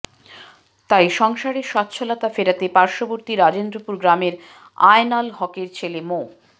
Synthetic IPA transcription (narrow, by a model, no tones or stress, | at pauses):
t̪ajʃɔŋʃaɾeɾʃɔt̪ːɕʰolat̪afeɾat̪epaɾʃoboɾt̪iɾad͡ʑend̪ɾopuɾɡɾameɾ | a̰enalɦɔkeɾt͡ɕʰelemo